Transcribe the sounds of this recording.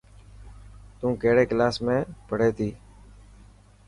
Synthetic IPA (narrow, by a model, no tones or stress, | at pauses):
t̪ũːkeːɽeːklaːsmẽːpəɽeːt̪ʰiː